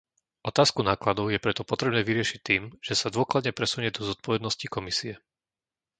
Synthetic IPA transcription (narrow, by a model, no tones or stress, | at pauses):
ʔɔt̪aːskunaːklad̪ɔʊjɛpɾɛt̪ɔpɔt̪ɾɛbnɛːʋiɾɪɛʃic̚t̪ːiːmʒ̥ɛsad̪ʊɔklad̪ɲɛpɾɛsuɲɛd̪ɔzɔt̪̚pɔʋɛd̪nɔscikɔmisiɛ